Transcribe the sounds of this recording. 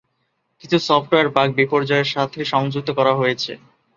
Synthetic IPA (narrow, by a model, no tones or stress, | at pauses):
kit͡ɕʰusɔfʈoeaɾbak̚bipoɾd͡ʑɔeɾʃat̪ʰeʃɔŋd͡ʑuk̚t̪okɔɾaɦojet͡ɕʰḛ